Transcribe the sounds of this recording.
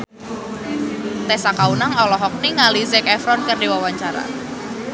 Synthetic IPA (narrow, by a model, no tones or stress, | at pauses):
t̪ɛsakaunaŋɔlɔɦɔk̚niŋalizɛkɛfɾɔnkərdiwawaɲt͡ʃaɾa̰